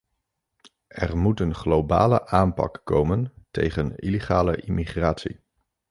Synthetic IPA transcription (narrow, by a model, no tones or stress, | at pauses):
ɛrmutənχlowba̰ːlə̰ʔaːmpɑ̰kːowməntḛjχənileχaːləʔimiχraːtsḭ